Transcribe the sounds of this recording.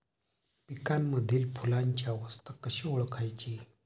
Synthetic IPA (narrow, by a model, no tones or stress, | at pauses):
pikamːəd̪ʱiːlpʰulaɲt͡ɕjaʋəst̪ʰəkəɕioɭkʰajt͡ɕi